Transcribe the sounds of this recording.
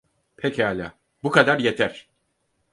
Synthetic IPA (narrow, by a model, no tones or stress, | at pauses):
pʰecʰalʲa̰ː | bukad̪aɾje̞t̪ʰæɾ̥